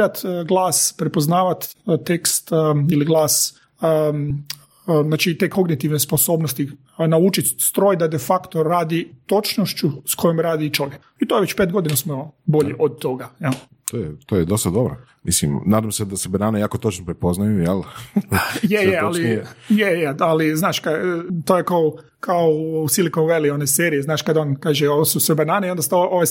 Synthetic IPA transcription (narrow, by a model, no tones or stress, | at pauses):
at̪ɡlˠaːspɾepoznaːʋat̪t̪ekst̪iliɡlˠaːs | zaːt͡ʃit̪e̞ko̞ɡnit̪iʋnesposo̞ːbnost̪i | naut͡ʃit̪st̪ɾoːjd̪ad̪efakt̪oɾaːd̪it̪o̞t͡ʃnoʃt͡ɕusko̞jomɾaːd̪iːt͡ʃo̞ʋjek | it̪ojeʋe̞t͡ɕpeːt̪̚ɡo̞d̪inasmobo̞ʎeʔod̪̚t̪ːoɡajɛlˠ | t̪ojɛt̪ojɛd̪ost̪ad̪obɾo | mislimnaːd̪amsed̪asebanaːnejaːkot̪ot͡ʃnopɾepoznajujelˠ | jejealijejealiznaːʃkat̪oːjekao | kaoousilikomʋelioneseːɾijeznaːʃkad̪oːnkaːʒeosusʋebanaːneio̞nd̪ast̪oʔoʋaj